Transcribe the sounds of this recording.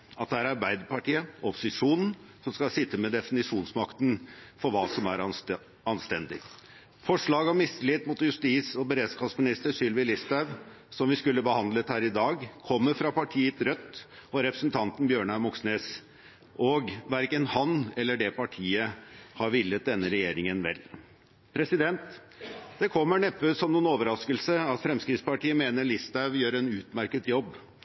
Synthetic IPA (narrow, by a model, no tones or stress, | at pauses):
ɑt̪d̪ɛæɾɑɾbæɪd̪əpɑʈiːəɔpːʊ̥sɪʂuːnn̩ | sɔmskɑlsɪt̪ːəmɛd̪ɛfɪnɪʂuːnsmɑkt̪nfɔɾʋɑːsɔmæɾ | ɑnst̪ɛnd̪ɪ̰ | fɔʂɭɑːɡɔmːɪsəlɪt̪mʊt̪jʉst̪iːsɔbəɾeːd̪skɑsmɪnɪst̪əʂʏlʋɪlɪst̪æʋ | sɔmʋɪskʉlːəbəhɑnd̪lət̪hæːɾɪd̪ɑːɡkʰɔmːəɾfɾɑpʰɑʈʰiːət̪ɾœt̪ːɔɾɛpɾəsn̩t̪ʰɑnt̪n̩bjøːɳɑmʊksneːs | ʔɔɡʋæɾkənhɑnɛlːəɖɛpʰɑʈʰiːəhɑɾʋɪlːət̪̚d̪ɛnːəɾɛjeːɾɪŋənʋɛ̰l | pʰɾɛsɪd̪ɛnt̪ | d̪̥ɛkʰɔmːəɳɛpːəsɔmnuːnoːʋəɾɑskəlsəɑt̪fɾɛmskɾɪt̪spɑʈiːəmeːnəɭɪst̪æʋjøːɾɛnʉːt̪mæɾkət̪jɔbː